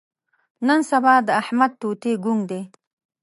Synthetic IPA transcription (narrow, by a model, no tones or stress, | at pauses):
nənsabɑd̪əahmad̪̚t̪ot̪eɡuŋɡd̪e